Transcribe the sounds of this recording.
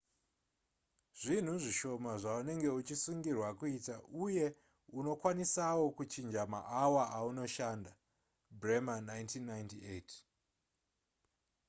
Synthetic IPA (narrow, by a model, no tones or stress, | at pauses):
ʐ̥in̤uʐiʃo̞maʐaune̞ŋɡe̞ut͡ʃisuŋɡirwakuitaʔuje̞ | uno̞kwanisawo̞kut͡ʃind͡ʒama̰ʔawaʔauno̞ʃaːnda | bremanajntʰinːajntietʰ